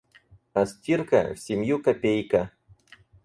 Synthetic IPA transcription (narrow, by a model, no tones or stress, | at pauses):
ɐsʲtʲirkɐ̰fsʲɪmʲjukɐpʲejkɐ